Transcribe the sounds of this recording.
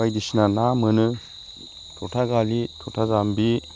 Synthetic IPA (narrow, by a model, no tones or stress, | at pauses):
ajdisnanamɯnɯ | tʰɔtʰaɡalitʰɔtʰazambi